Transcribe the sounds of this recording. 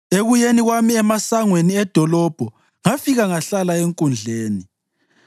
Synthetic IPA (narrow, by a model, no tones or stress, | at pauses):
eɣujeniɣwamiɛmasaŋweniɛd̥ʱɔlɔb̥ʱɔ | ŋafiɣaŋaɬalaeŋkʼund͡ɮʱeːni